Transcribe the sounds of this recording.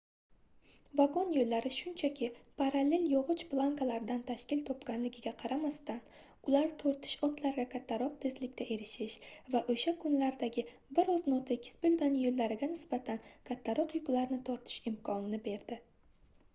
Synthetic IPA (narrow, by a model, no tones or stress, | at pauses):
vaɡonjolːaɾɪʃʊnt͡ʃʰakʲɪpʰaɾale̞ljɒʁɨt͡ʃplˠaŋkalaɾɪd̪ant̪ʰaʃkʲɪlt̪ʰɒpɡʲanlɪɡʲɪɡʲaqʰɑɾamast̪an | ʊlaɾt̪ʰoɾt̪ʰɪ̥ʃɒt̪ʰlaɾɡʲakʲʰat̪ʰːaɾɒq̚t̪ʰe̞zlɪkʲt̪ʰaʔe̞ɾɪʃɪʃvaʔoʃakʰʊnlaɾd̪aɡʲɪ | bɪɾɒznot̪ʰekʲʰɪ̥sbolɡʲanjolːaɾɪɡʲanɪsb̥at̪ʰankʰat̪ʰːaɾɒqjʊklaɾnɪt̪ʰɒɾt̪ʰɪ̥ʃɪmkʰɒnɪnɪbe̞ɾd̪ɪ